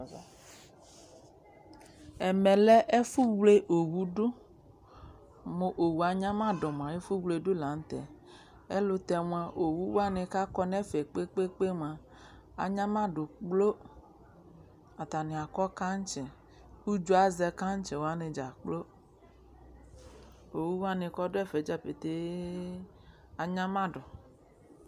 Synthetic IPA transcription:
ɛ˨mɛ̃˨lɛ˦ʔe˦fu˦wle˦ʔo˨wu˦ɖo˦ | mõ˨ʔo˨wu˨a˨ɲã˦mã˦ɖɔ˨m˨ã˨e˦fu˦wle˨ɖo˦la˨n˦t̪ɛ˨ | ḛ˦lo˦t̪ɛ˨mũ˦ã˨ʔo˨wu˦wo˦a˦nẽ˨ka˦kɔ˦nɛ̃˦fe˨k͡pe˦k͡pe˦k͡pe˦m˨ã˨ | a̰˨ɲã˦mã˦ɖo˨k͡plo˦ | a˨t̪a˨nẽ˨a˨kɔ˦ka˦ɲ˦t͡ʃɛ̃˨ | wu˦d͡ʒo˦a˦zɛ˦ka˦ɲ˦t͡ʃe˨wo˦a˦ne˨d͡ʒa˨k͡plo˦ | o˨wu˦wa˦ne˨kɔ˦do˦ɛ˦fe˨˦d͡ʒa˦pe˨t̪e˦ | a˨ɲã˦mã˦ɖɔ˨

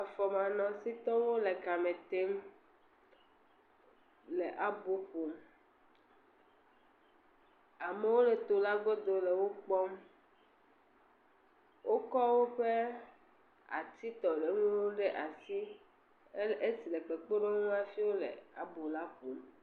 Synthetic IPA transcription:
a˨fɔ˨mã˨nɔ̃˨si˦t̪ɔ̃˦wo˦le˨ka˨mẽ˨t̪e˦m | le˨ʔa˨bo˦ɸo˨m | a˨me˨˦wo˦ɖe˨t̪o˨la˦ɡo˦d̪o˨le˨wo˦k͡pɔ˦m | wʔo˦kɔ˦wo˦ɸe˦ | a̰˨t̪i˦t̪ɔ˨le˨ŋũ˦wo˦ɖe˦ʔa˨si˦ | e˦si˨le˨k͡pe˨k͡po˦ɖo˦ŋ˦ũ˦a˦fi˦wo˦lḛ˨a˨bo˨la˦ɸo˨m

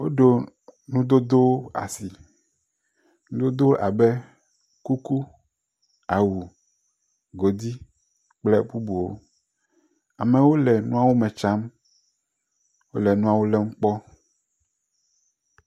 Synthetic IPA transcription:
wo˦ɖo˨ | nũ˦d̪o˦d̪o˦a̰˨si˨ | nũ˦d̪o˦d̪o˦ʔa˨bɛ˦ | ku˦ku˦ | a˨wu˨ | ɡo˨d̪i˦ | k͡plɛ˦bu˦bu˨wo̰˦ | a̰˨mɛ˨wo˦lɛ˨nũ˦a˦wo˦mɛ̃˨t͡ʃa˦m | wo˦lɛ˨nũ˦a˨wo˦lɛ˦m̩˦k͡pɔ˦

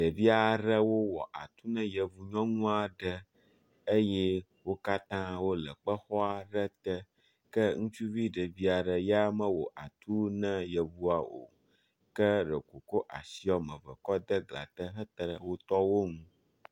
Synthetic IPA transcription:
ɖə˨vi˦a˨ɖə˦wo˦wɔ̰˨ʔa̰˨t̪u˦nɛ̃˦jə˨vu˨ɲɔ̃˦nũ˦a˨ɖə˦ | ə˦jɛ˦ | wo˦ka˦t̪ã˦wo˦lə˨k͡pə˦xɔ˦a˨ɖə˦t̪ə˦ | kə˦ŋũ˦t͡ʃu˦vi˦ɖə˨vi˦a˨ɖə˨jɛ˦a˦mə̃˦wo˨ʔa˨t̪u˦nə̃˦jə˨vu˦a˨o̰˨ | kə˦ɖə˨ko˨ko˦ʔa̰˨si˦ɔ˦mə̃˨və̰˨kɔ˦d̪ə˦ɡla̰˨t̪ə˦ɦə˦t̪ɾə˦˨wo˦t̪ɔ˦wo˦ŋũ˦

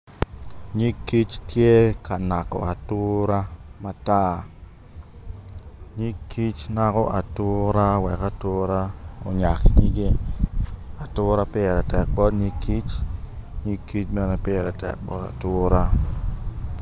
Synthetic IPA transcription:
ɲi˦kːi˦t͡ʃkje˦ka˨na˨kɔ̰˨a˨tʊ˦ɾa˦ma˦ta˦ | ɲi˦kʰːi˦t͡ʃna˦kɔ˦ʔa˨tʊ˦ɾa˦wɛ˨ka˦tʊ˦ɾa˦o̰˨ɲa˨kɲi˦ɡe˦ | a˨tʊ˦ɾa˦pɪ˦˨ɾa˨tɛ˨k̚bɔ˦tɲi˦kːi˦t͡ʃ | ɲi˦kːi˦t͡ʃbɛ˦nɛ˦pɪ˦˨ɾa˨tɛ̰˨k̚bɔ̰˦ta̰˨tʊ˦ɾa˦

